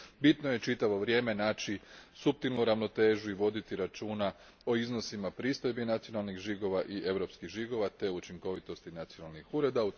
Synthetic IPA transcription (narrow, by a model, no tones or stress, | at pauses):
bit̪noje̞t͡ʃit̪aʋo̞ʋɾje̞ːme̞naːt͡ʃisup̚t̪ilnuɾaʋno̞t̪e̞ːʒuiʋo̞d̪it̪iɾat͡ʃuːna | o̞izno̞simapɾiːst̪o̞jbinat̪sijo̞nalˠnixʒiɡo̞ʋaʔiʔe̞ʋɾo̞pskiɣʒiɡo̞ʋat̪e̞ut͡ʃiŋko̞ʋit̪o̞st̪inat̪sionalˠnixuɾe̞d̪au